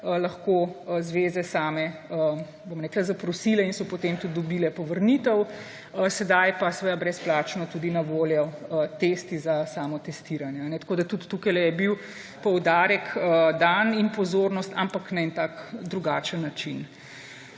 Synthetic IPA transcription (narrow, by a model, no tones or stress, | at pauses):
əlɐxkozʋeːzɛsaːmɛə | bomɾɛːklazapɾɔsiːlɛinsɔpot̪emt̪ud̪̚d̪ɔbiːlɛpɔʋəɾnit̪əw | əsɛd̪ajpasɛʋed̪abɾɛsplaːt͡ʃnɔt̪ud̪inɐʋoːljɔət̪est̪izasaːmɔt̪ɛst̪iɾanjɛanɛt̪ḁkoːd̪at̪ut̪ːukajlɛjɛbiw | pɔwd̪aːɾɛkəd̪aninpɔzoːɾnɔst̪ampaknajnt̪akd̪ɾuɡaːt͡ʃənːat͡ʃin